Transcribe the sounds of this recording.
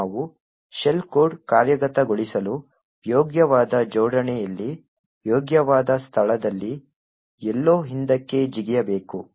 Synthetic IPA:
ʋu | ʃelkoːɖkaːɾjɐɡɐt̪ɐɡoɭisɐlu | joːɡjɐʋaːd̪ɐd͡ʒɔːɽɐɳɛjɐlːi | joːɡjɐʋaːd̪ɐst̪ʰɐɭɐd̪ɐlːi | ɛlːoːɦind̪ɐkːe̞d͡ʒiɡijɐbe̞ːku

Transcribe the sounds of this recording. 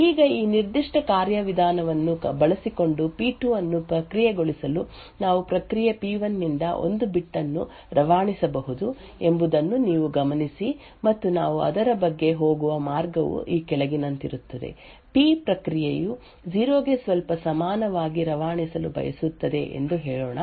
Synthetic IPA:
iːɡɐiːniɾd̪iʂʈɐkaːɾjɐʋid̪ʱaːnɐʋɐnːubɐɭɐsiko̞ɳɖupiːʈuʋɐnːupɾɐkɾijeɡo̞ɭisɐlu | naːʋupɾɐkɾijɐpiːʋɐnːind̪ɐʔo̞̰nd̪ubiʈːɐnːu | ɾɐʋaːɳisɐbɐɦud̪u | e̞mbud̪ɐnːuniːʋuɡɐmɐnisi | mɐt̪ːunaːʋuɐ̰d̪ɐɾɐbɐɡːe̞ɦo̞ːɡuʋɐmaːɾɡɐʋṵʔiːkɛlɐɡinɐnt̪iɾut̪ːɐd̪ḛ | piːpɾɐkɾijeju | d͡ʒiːɾoːɡesʋɐlpɐsɐmaːnɐʋaːɡiɾɐʋaːɳisɐlubɐ̰jɐ̰sut̪ːɐd̪e̞ʔḛnd̪uɦɛːɭoːɳɐ

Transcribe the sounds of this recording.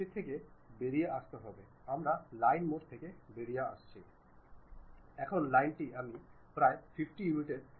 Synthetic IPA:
et̪ʰːekebeɾijeʔast̪eɦɔbe | amɾalajnmoʈt̪ʰekebeɾijaa̰ʃt͡ɕʰi | ɛkʰonlajnʈiami | pɾaefifʈijumiʈeɖ

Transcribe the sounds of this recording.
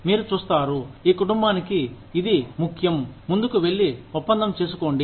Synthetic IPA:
miːɾut͡ʃuːst̪aːɾuiːkuʈumbaːnikiː | d̪imukʰjɐmːund̪ukuʋe̞ɭːiupːɐnd̪ʱɐmt͡ʃe̞ːs̬u̥ko̞ːɳɖi

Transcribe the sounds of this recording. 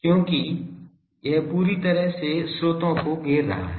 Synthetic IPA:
kjõːki | jɛɦpuːɾit̪ɐɾəɦsesɾoːt̪õkoɡeːɾːɐ̰ɦa̰ɦɛ

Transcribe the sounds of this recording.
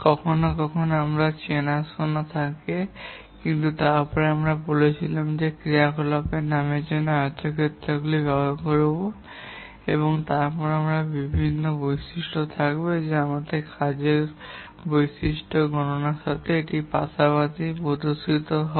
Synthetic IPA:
kɔkʰonokɔkʰonoamɾat͡ɕenasonat̪ʰake | kint̪ut̪aɾpɔɾeamɾabolet͡ɕʰilamd͡ʑekɾiakolapenamed͡ʑɔnːoaɾt̪ʰːokʰet̪ːɾaɡulibɛbaɾkoɾobo | ḛβoŋt̪aɾpɔɾeamɾabibʱinːobojsiʃʈot̪ʰakbed͡ʑeamat̪ekʰad͡ʑeɾ | bojsiʃʈoɡɔnonaɾʃat̪ʰeeʈipa̰sabat̪ipod̪osit̪oɦɔ

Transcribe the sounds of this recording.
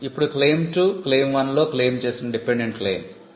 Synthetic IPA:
ipːuɽukle̞ːmʈukle̞ːmʋɐnlo̞ːkleːmt͡ʃeːsinɐɖipeɳɖeɳʈ̚kle̞̰ːm

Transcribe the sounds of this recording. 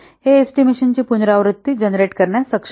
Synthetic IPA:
ɦeesʈimeɕənt͡ɕiːpunɾaʋɾut̪ːid͡ʑənɾeʈkəɾɳjasəkʂ

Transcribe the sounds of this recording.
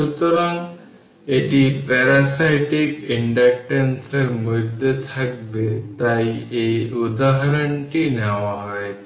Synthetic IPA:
ʃut̪ɔɾaŋ | eʈipɛɾasajʈikiɳɖak̚ʈenseɾmud̪ːet̪ʰak̚bet̪aieud̪aɦaɾəɳʈinaʋaɦɔj̪

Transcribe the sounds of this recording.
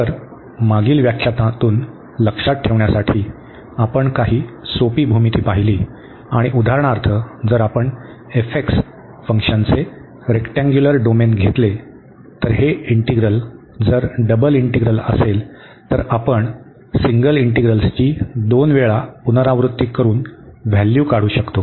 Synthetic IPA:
t̪əɾ | maɡiːlʋjakɕʰat̪ãt̪uːn | ləkʂat̪̚ʈʰːeʋɳjasaʈʰiː | apəɳkaɦiːsopiːbʱumit̪iːpaɦiliː | aɽ̃iʔud̪ʱaɾəɳaɾt̪ʰəd͡zəɾapəɳ | efeks | fəŋkʂənt͡se | ɾekʈãŋɡjuləɾɖomenɡʱet̪le | t̪əɾɦeiɳʈiɡɾəl | d͡zəɾɖəbəliɳʈiɡɾələ̰sel | t̪əɾapəɳ | siŋɡəliɳʈiɡɾəlst͡ɕiːd̪onʋeɭapunəɾãʋɾut̪ːiːkːəɾuːnʋjæljuːkaɽ̤uːɕəkt̪o

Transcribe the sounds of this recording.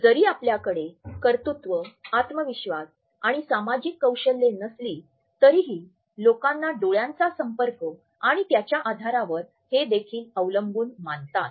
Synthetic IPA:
d͡zəɾiːapljakəɽekəɾt̪ut̪ʋəat̪məʋiɕʋas | aɽ̃isamad͡ʑikːəwɕəlːenəsliː | t̪əɾiːɦiː | lokãnːaɖoɭjãnt͡sasəmpəɾkə | aɽ̃it̪jat͡ɕjaʔad̪ʱaɾaʋəɾ | hed̪ekʰiːləʋləmbuːnmant̪at̪

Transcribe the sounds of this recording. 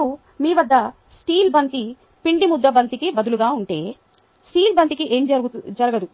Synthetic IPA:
u | miːʋɐd̪ːɐ | sʈiːlbɐnt̪i | piɳɖimud̪ːɐbɐnt̪ikibɐd̪uluɡaːuɳʈe̞ː | sʈiːlbɐnt̪ikiʔeːmd͡ʒɐd͡ʒɐɾɐɡɐd̪u

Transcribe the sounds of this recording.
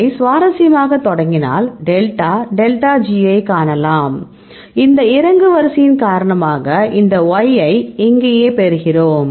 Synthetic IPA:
ɪsʋaːɾɐsɪjɐmaːɣɐt̪ːɔɽɐŋɡɪna̰ːlɖɛlʈaːɖɛlʈaːd͡ʒiɐɪkaːɳɐlaːm | ɪnd̪ɐɪɾɐŋɡɯʋɐɾsɪjɪnkaːɾɐɳɐmaːɣɐʔɪnd̪ɐɔjɐɪɪŋɡeːjeːpɛɾɯɣɪroːm

